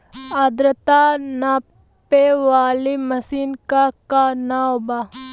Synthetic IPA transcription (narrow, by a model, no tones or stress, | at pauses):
ɐd̪ɾət̪ana | peʋaːlimɐsiːnkakanaoba